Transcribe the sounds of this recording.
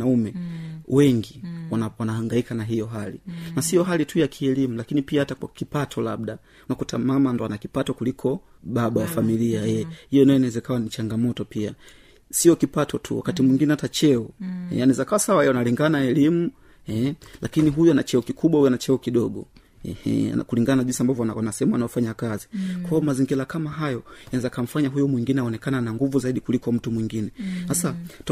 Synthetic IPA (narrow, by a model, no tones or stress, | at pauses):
naumɛwɛŋɡiwawanahaŋɡaikanaɦijɔɦalḭnasijɔɦalitʰujakʰiɛlimulakinipiahatakwa̰kipatʰɔlaɓ̚ɗa | unakutʰa̰mamandɔanakipatɔkulikʰɔ | ɓaɓawafamiliajɛhijɔnajɔinawɛzɛkawanit͡ʃaŋɡamɔtɔpia̰ | sijɔkipatʰɔtʰṵwa̰katimwiŋɡinɛhatat͡ʃɛuhɛ̰janɛzakawasawaɛjɔanaliŋɡanaɛlimu | hɛlʔakiniɦujuanat͡ʃɛukikʰuɓwaujanat͡ʃɛukiɗɔɡɔ̰ | ɛ̰hɛ̰a̰kuliŋɡannaʄinsiambavjɔnasɛɛmaanaɔfaɲakazikwaɔmaziŋɡilakamaɦajɔjanaɛzakam̩faɲaɦujɔmwiŋɡinɛaɔnɛkananaŋɡuvuzaiɗikulikɔm̩tumwiŋɡinɛhasat